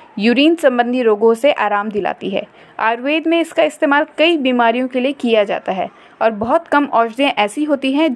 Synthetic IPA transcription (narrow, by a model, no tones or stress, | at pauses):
juːɾiːnsɐ̃mbə̃nd̪ʱiɾoːɡõseʔaːɾaːmd̪ɪla̰ːt̪iɦɛ̰ː | a̰ːɾʋeːd̪mẽɪskaɪst̪eːmaːlkɐibiːmaːɾijõkeliekijad͡ʒa̰ːt̪aɦɛ̰ː | ɔːɾbɐɦʊt̪kɐmɔːd͡ʒd̪ẽʔɛːsiɦoːt̪iɦɛ̃